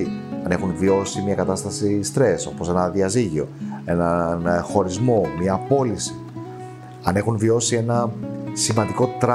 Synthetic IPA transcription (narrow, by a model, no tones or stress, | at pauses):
iɐne̞xunvio̞simɲɐkɐt̪ɐst̪ɐsist̪ɾe̞so̞po̞se̞nɐðiɐziʝio̞e̞nɐnxo̞ɾizmo̞miɐːpo̞lisi̥ | ɐne̞xunvio̞sie̞nɐsimɐnd̪iko̞t̪ɾ